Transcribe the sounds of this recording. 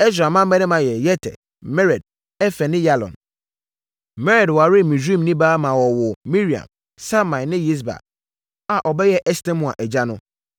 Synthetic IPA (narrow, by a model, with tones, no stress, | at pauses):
ɛ˦s̬ɾa˨mã˦m˦ɛ̃˦nɪ̃˦mã˨jɛ˨jɛ˦tʰɛ̰˨ | mɛ˦ɾɛ˨d̚ | ɛ˦fɛ˨nɪ̃˦ja˦lɔ̰˨n | mɛ˦ɾɛ˨dwa˨ɾɪ˦mĩ˨sĩ˦mnĩ˦baː˦mã˨wɔ˨wʊ˨mi˦ɾi˨ã̰˨m | sa˦mã˨nɪ̃˦ji˦s̬ba̰˨ | a˨ʔɔ˨bɛ˦jɛ˦ʔɛ˦stɛ̃˦mũ˨ã̰˨ʔɛ˨d͡ʑa˦nʊ̃˦